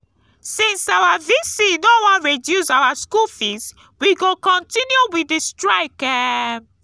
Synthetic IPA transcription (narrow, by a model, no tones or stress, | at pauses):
sĩnsawavisinowɔ̃nɹedjusawaskulfis | wiɡokɔ̃ntĩnjuwidistɹaɪkɛ